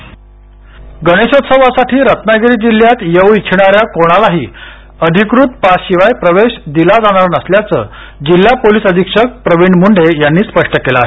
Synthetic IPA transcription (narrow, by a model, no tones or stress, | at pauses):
ɡəɽ̃eɕot̪səʋasaʈʰiːɾət̪naɡɾiːd͡ʑil̤ːjat̪jəʋit͡ɕʰiɽ̃aɾjakoɽ̃alaɦiː | əd̪ʱikɾut̪paɕiʋajpɾəʋeɕd̪ilad͡zaɽ̃aɾnəsljat͡sə̰ː | d͡ʑilːapoliːsəd̪ʱikʂək̚pɾəʋiɳmuɳɖejanːiːspəʂʈəkelaːɦe